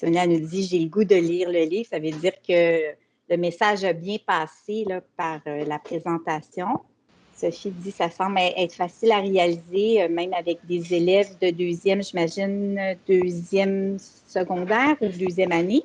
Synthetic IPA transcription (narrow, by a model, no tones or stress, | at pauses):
sonanud͡z̪iʒeləɡud̪əliːʁləliːvsavød͡z̪iːʁkə | ləmesaːʒabjɛ̃pɑːselʌpaʁølapχezɑ̃t̪asjɔ̃ | sɔfid̪isasɑ̃blɛʔɛːt̪χfasɪlaʁealizemɛ̃mavɛk̚d̪ezelɛvd̪əd̪øːzjɛmʒimaʒɪnd̪øzjɛmsəɡɔ̃d̪ɛːʁud̪øːzjɛmane